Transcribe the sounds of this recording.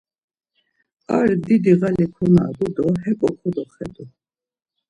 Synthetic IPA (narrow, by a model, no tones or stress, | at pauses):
aɾd̪id̪iʁalikʰɔnaːɡud̪ɔɦɛpʼɔχʰɔd̪ɔχɛ̰d̪u